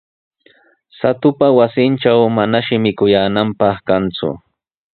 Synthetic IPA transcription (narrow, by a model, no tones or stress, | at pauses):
sat̪ʊpawasɪnʈ͡ʂawmanaʃɪmɪkʊjaːnampɑχkant͡sʊ̰